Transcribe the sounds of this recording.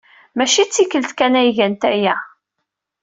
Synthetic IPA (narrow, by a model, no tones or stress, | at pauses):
mæʃit͡sːikːəlt̪kænæjʝænt̪æjæ